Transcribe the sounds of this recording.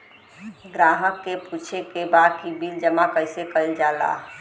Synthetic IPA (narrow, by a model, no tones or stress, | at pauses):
ɡɾaɦəkːeput͡ʃʰekebakibild͡ʒəmakəjsekəɪld͡ʒala̰